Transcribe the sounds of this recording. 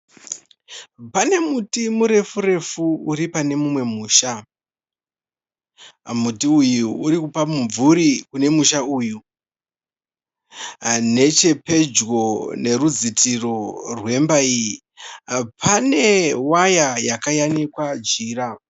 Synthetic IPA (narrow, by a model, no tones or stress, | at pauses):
pane̞mutimuɾe̞fure̞fuuɾipane̞mumwe̞muːʃa | mutiujuuːɾikupamuɱvuɾikune̞muʃauju | ne̞t͡ʃe̞pe̞d͡ʒɡo̞ne̞rud͡zitʰiro̞rwe̞mbaii | pʰane̞wajajakajanikwad͡ʒiːɾa